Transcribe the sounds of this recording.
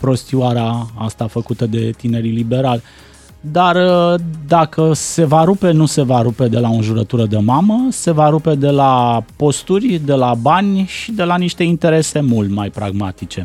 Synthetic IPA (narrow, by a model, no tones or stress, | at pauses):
pɾo̞st̪iuaɾeaa̰st̪afəkut̪əd̪e̞t̪ine̞ɾilibe̞ɾalʲ | d̪ard̪akəse̞vaɾupe̞nuse̞vaɾupe̞d̪e̞laoʒuɾət̪uɾəd̪emaməse̞vaɾupe̞d̪e̞lapo̞st̪urʲd̪e̞labanʲʃid̪e̞laniʃt̪e̞int̪e̞ɾe̞se̞mult̪majpɾaɡmat̪it͡ʃe̞